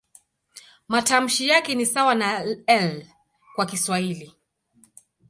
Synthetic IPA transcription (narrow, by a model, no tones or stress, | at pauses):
matam̩ʃijakɛnisawanaɛl | kwakiswahili